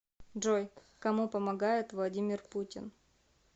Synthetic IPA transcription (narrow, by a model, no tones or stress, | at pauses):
ʐoj | kɐmupəmɐɡajɪt̪vlˠɐdʲimʲɪrputʲɪ̰n